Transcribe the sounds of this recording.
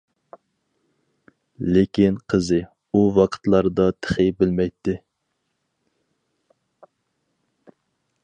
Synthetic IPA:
lɪkʲinqʰəzɨ | uwɑqʰə̥t̪lˠɑɾd̪ɑt̪ʰə̥χɨbɪlmɛjt̪ːɪ

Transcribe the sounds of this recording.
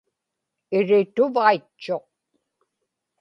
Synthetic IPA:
ɪɻɪt̪ʊvait͡ʃːo̞q̚

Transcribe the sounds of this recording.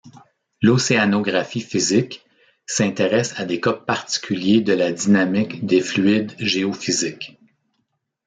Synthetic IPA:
loseanoɡʁafifizɪk | sɛ̃t̪eʁɛsad̪ekɔppːaʁt̪i̥kʲʰyljed̪əlad̪inamɪkd̪eflyɪd̪ʒeɔfizɪk

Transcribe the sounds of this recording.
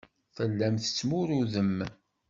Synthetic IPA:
θəlːæmθə̥t͡sːmʊɾuðəm

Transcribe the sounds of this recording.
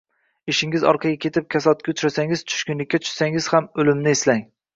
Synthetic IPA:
eʃɪŋɪzɒ̰ɾqʰɑɡʲakʲʰe̞t̪ʰɪp̚kʲʰasɒt̪̚kʲat͡ʃ̪ʰʊɾasaŋɪz̥t͡ʃʰʊ̥ʃkʲʊnlɪkʲːat͡ʃ̪ʰʊ̥ʃsaŋɪz̥hamɵlɪmnɪeslaŋ

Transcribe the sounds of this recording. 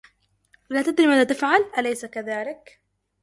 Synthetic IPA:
wɪlaːt̪ad̪ɾiːmaːðaːt̪afʕalʔalajsakaðaːlɪk

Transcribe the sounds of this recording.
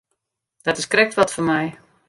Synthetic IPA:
d̥ɔtɪskrɛk̚tʋɔtfɔnmɛj

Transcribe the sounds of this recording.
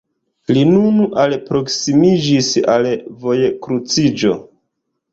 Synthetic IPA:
linunalpɾo̞ksimid͡ʒisalvo̞jekɾut͡sid͡ʒo̞̰

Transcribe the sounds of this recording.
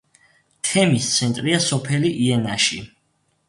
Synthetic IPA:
t̪ʰɛmist̪sʰɛnt̪ʼɾiasɔpʰɛliʔiɛnaʃi

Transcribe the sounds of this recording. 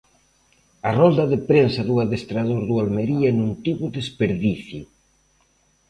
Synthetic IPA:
ɐrɔnd̪ɐðɪpɾensɐðuaðest̪ɾaðoɾðualmeɾiɐnũnt̪iβʊðespeɾðiθjʊ

